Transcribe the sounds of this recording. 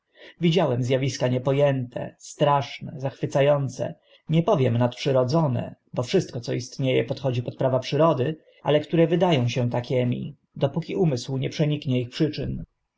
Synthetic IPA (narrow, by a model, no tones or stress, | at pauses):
vʲid͡ʑawɛmzʲjavʲiskaɲɛpɔjɛnt̪ʰɛ̰st̪ɾaʂnɛzaxfɘt̪sajɔnt̪sɛ̰ | ɲɛpɔvʲjɛmnat̪̚pʂɘɾɔd̪zɔnɛ̰ | bɔfʂɘst̪̚kɔt̪sɔist̪ɲejɛpɔt̪xɔd͡ʑipɔt̪̚pɾavapʂɘɾɔd̪ɘ | ʔa̰lɛkt̪uɾɛvɘd̪ajɔ̃w̃ɕɛ̃t̪akʲɛmʲḭ | d̪ɔpukʲiʔumɘswɲɛpʂɛɲikɲɛixpʂɘt͡ʂɘn